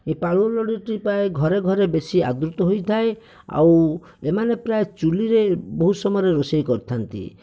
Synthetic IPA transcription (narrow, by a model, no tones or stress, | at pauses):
epaɭulɔɽiʈipaeɡʱɔɾeɡʱɔɾebesia̰d̪ɾut̪ɔɦojt̪ʰae | a̰w | emanepɾaet͡ʃuliɾeboɦusɔmɾeɾosejkɔɾt̪ʰant̪ḭ